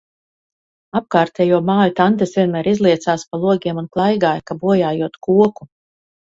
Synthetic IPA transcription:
ap̚kaːɾt̪ɛjuɔmaːjut̪ant̪esvʲiɛnmæːɾizlˠiɛt̪saːspalˠuɔɡʲiɛmunklˠajɡaːjkabuɔjaːjuɔt̪kuɔku

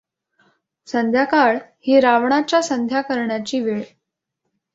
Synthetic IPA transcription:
sənd̪ʱjakaɭhiːɾaʋɳat͡ɕjasənd̪ʱjakəɾɳjat͡ɕiːʋeɭ

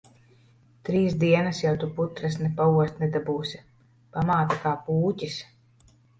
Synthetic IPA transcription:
t̪ɾiːsd̪iɛnɐsjawt̪uput̪ɾasnɛpauɔst̪nɛd̪abuːsʲi | pamaːt̪akaːpuːcʲis

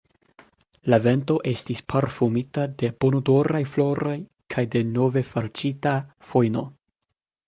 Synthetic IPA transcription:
lave̞nto̞ʔe̞stispʰaɾfumitade̞b̥onodoɾajflo̞ɾo̞j | kʰajde̞no̞ve̞faɾt͡ʃitafojno̞

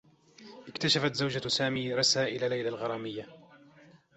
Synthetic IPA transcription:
ʔɪkt̪aʃafat̪zawd͡ʒasaːmiːɾˤɑsaːʔɪlalajlalɣɑɾˤɑːmɪjːa

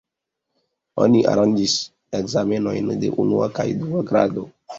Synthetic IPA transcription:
o̞̰niʔa̰ɾand͡ʒis | ekzame̞no̞̰jndḛʔunṵakajduaɡɾa̰do

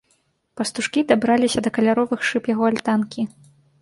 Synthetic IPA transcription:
pɐst̪uʂkʲid̪abɾalʲisʲɐd̪ɐkɐlʲaɾɔvɨxʂɨpjaɣɔalʲt̪ankʲi

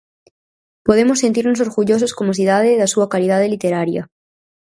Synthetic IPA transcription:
po̞ð̞emosːent̪iɾnos̬o̞ɾɣuʝo̞s̬oskomosiðaðeðasuakalið̞aðelit̪eɾaɾja̰

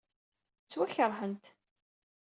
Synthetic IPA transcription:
t͡sːwæçəɾˤɦənt̪

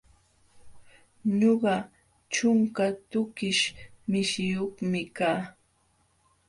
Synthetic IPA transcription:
ɲoɢɑ | t͡ʃʊŋkat̪ʊkɪʃmɪʃɪjoχmɪkaː

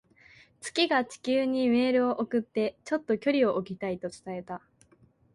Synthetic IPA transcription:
t͡sɨ̥kʲiɡat͡ɕi̥kʲɨːɲ̟ime̞ːɾɯ̟o̞ʔokɯ̟t̪ːe̞t͡ɕo̞t̪ːo̞kʲo̞ɾʲio̞ʔokʲit̪ait̪o̞t͡sɨ̥t̪ae̞t̪a

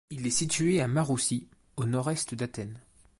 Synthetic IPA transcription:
ilɛsit̪ɥeamaʁusi | onɔʁɛst̪d̪at̪ɛn

